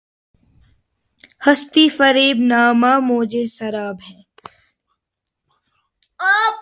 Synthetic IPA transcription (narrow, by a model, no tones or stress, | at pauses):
hɐst̪ifəɾiːbnaːmaːmoːd͡ʒeːsɐɾaːbɦɛ̃ː